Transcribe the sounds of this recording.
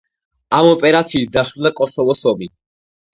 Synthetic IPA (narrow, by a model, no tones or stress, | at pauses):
amɔpʼɛɾat̪sʰiːt̪̚d̪asud̪akʼɔsɔvɔsɔmi